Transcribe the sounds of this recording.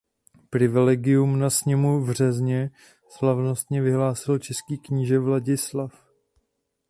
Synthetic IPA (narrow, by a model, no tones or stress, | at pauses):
pɾɪvɪlɛɡɪjumnasɲɛmuvr̝ɛzɲɛ | slavno̞st̪ɲɛvɪɦlaːsɪlt͡ʃɛskiːkɲiːʒɛvlaɟɪslaf